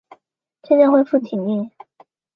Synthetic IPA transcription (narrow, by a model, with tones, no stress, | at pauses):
t͡ɕʰjɛ˥˧nt͡ɕɛ˥˧nxwe˥˧ɪfu˥˩t̪ʰi˨˩ŋi˥˩